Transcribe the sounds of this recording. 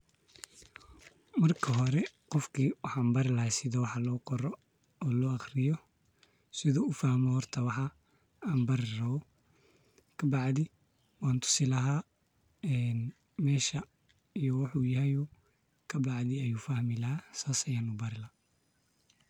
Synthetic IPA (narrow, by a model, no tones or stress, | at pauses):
mɐrkʰɐɦɔɾɛqɔfkʰiːwɑħɑːnbɐɾɪlɐhɛsɪðɔwɑħɑlɔːqɔɾɔ | ɔːlɔːɑχrɪjɔ | sɪðɔːʊfahmɔhɔrt̪ʰɐwɑħɑ | aːnbɐɾɪrɐβɔ | kʰɐbɑʕðɪ | waːnt̪ʰʊ̥sɪlɐɦaː | ɛːn | mɛːʃɐ | ijɔwɑħuːjɐɦɛjuː | kʰɐbɑʕðɪɛjuːfɐhmɪlɐhaːsaːsɐjaːnubɐɾɪlɐ